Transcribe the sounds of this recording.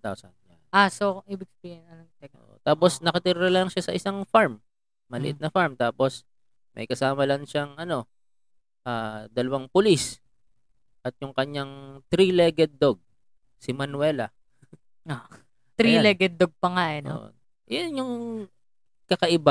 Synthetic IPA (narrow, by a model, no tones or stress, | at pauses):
t̪o̰sabɪaʔasoʔiːbɪɡ̚sɐbiːhɪnɐnoo̰ʔo̰t̪aːpo̞snɐkɐt̪iːɾɾɐlɐŋʃasɐʔɪsaŋfaɹmː | ɐlɪʔɪt̪nɐfaɹmt̪aːpo̞s | mʔɐ̰jkɐsaːmɐlɐŋʃaŋʔɐno̞ | ʔaːd̪ɐlɐwaŋpʊlis | ʔɐt̪̚jʊŋkɐɲːaŋt̪ɾilɛɡɛd̪̚ːoɡ̚ | sɪmɐnwɛːlɐ | o | t̪ɾilɛɡɛd̪̚ːoɡ̚pɐŋajɐno̰ʔ | jonjʊŋ | kɐkɐʔɪba